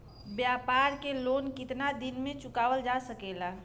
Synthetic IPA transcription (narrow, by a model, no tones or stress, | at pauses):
bjapaːɾkeloːnkɪt̪nad̪ɪnmẽt͡ʃʊkaːwəld͡ʒasəkeːla